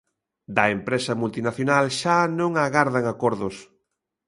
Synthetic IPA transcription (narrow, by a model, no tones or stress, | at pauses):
d̪ɐempɾɛsɐmult̪inaθjonalʃanõŋaɣaɾðaŋakɔɾðʊs